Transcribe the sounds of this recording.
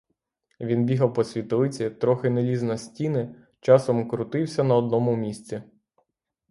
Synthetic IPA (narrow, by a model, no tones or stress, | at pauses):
ʋʲinbʲiɦɐwpɔsʲʋʲit̪ɔlɪt͡sʲit̪ɾɔxɪnelʲiznɐsʲtʲinɪ | t͡ʃɑsɔmkɾʊt̪ɪwsʲɐnɐɔd̪̚nɔmʊmʲisʲt͡sʲi